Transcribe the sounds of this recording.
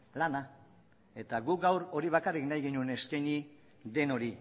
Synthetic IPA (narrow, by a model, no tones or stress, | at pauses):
lana | e̞t̪aɣuɡawɾo̞ɾiβ̞akariknajɣinuene̞skajɲi | d̪e̞no̞ɾi